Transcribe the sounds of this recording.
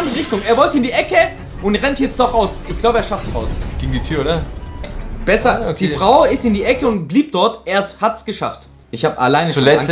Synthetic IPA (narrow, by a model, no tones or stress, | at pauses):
ndəʁɪçtʊŋeːɐvɔltəɪndiːʔɛkə | ʊntʁɛntjɛt͡std̥ɔχʔaʊsɪçɡ̥laʊbəeːɐʃaftsaʊsɡ̥eːɡŋ̩ditʰyːɐoːdɐ | b̥ɛsɐdd̥iːffʁ̥aʊɪstɪndiːʔɛkəʊntb̥liːp̚d̥ɔɐtʔeːɐshatsɡ̥əʃa̰ft | ɪçhaːbəa̰laɪnəulɛ